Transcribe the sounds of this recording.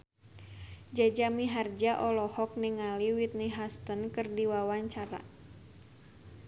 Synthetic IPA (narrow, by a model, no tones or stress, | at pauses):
d͡ʒad͡ʒamiɦard͡ʒaʔɔlɔhɔk̚niŋaliwit̪̚niɦast̪ənkɨrdiwawaɲt͡ʃaɾa̰